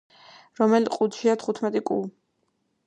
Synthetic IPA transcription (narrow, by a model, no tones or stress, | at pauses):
ɾɔmɛlqʼud̪ʃiat̪ʰχut̪ʰmɛt̪ʼikʼṵ